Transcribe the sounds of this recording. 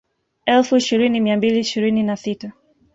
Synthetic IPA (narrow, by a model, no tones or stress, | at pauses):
ɛlfuiʃiɾinimiambiliːʃiɾininasita